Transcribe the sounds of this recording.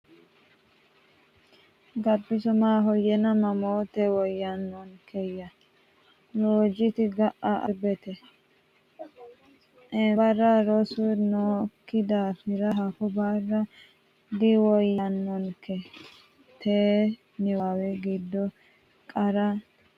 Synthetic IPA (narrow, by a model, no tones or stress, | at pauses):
ɡɐbːɪsʊmaːɦɔjɛnɐmɐmoːt̪ɛwɔjːɐnːɔnkɛjːɐ | loːd͡ʒɪt̪ɪɡɐʔɐʔɐbɛt̪ɛ | ʔɛbɐɾːaɾɔsʊnoːkːɪd̪aːfɪɾɐɦɐkɔbarːɐ | d̪ɪwɔjːɐnːɔnkʰɛ | t̪ʰeː | nɪwawɛɡɪd̪ːɔ | kʼɐɾɐ